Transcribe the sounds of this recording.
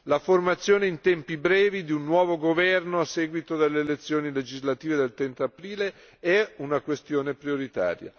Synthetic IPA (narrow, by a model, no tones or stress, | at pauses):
laformat̪sːjoːneint̪ɛmpibɾɛːvid̪iunːwɔːvoɡovɛrnoasːɛːɡwit̪od̪elːeːlet̪sːjoːniled͡ʒizlat̪iːved̪elt̪ɾent̪aːpɾiːle | ɛunakwest̪joːnepɾijoɾit̪a̰ːɾja̰